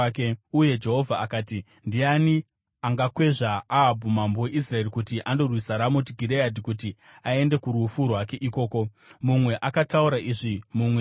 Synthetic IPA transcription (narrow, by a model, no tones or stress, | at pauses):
keuje̞d͡ʒe̞ɦo̞vʱaakaːti | ndiani | aŋɡakwe̞ʐaaːbʱumambowe̞ʔis̬rae̞rikutiʔando̞rwisaɾamotiɡʱiɾeadikuti | ae̞nde̞kuɾufurwake̞ʔiko̞ːko̞ | mumwe̞ʔakatauɾaʔiʐimumwe